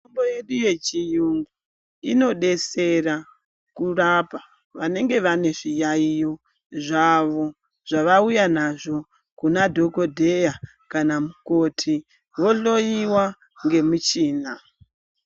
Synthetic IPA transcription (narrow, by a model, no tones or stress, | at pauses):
omboje̞ɗuje̞t͡ʃijuŋɡu | ino̞ɗe̞se̞ra | kurapa | ʋane̞ŋɡe̞ʋane̞ʐijaijo̞ | ʐaʋo̞ | ʐ̥aʋaujanaʐo̞ | kunadʱo̞ko̞dʱe̞ja | kanamuko̞tʰi | ʋo̞ɬo̞jiwa | ŋɡe̞mut͡ʃiːna